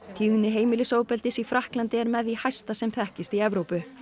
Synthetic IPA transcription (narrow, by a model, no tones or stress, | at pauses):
t̪ʰiːɣnɪɦeːjmɪlɪsowpɛlt̪ɪsifɾahklant̪ɪɛɾmɛðihajst̪asɛmθɛhcɪst̪iɛvɾowpʏ